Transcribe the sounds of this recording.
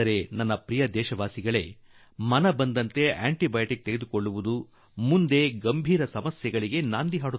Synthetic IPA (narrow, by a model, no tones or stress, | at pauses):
ɐɾe̞nɐnːɐpɾijɐd̪ɛːʃɐʋaːsiɡɐɭe̞ | mɐnɐbɐnd̪ɐnt̪e̞a̰ːɳʈibɐjʈik̚t̪eɡed̪uko̞ɭːuʋud̪u | mund̪e̞ɡɐmbʱiːɾɐsɐmɐsjɛɡɐɭiɡe̞naːnd̪iɦaːɽut̪ː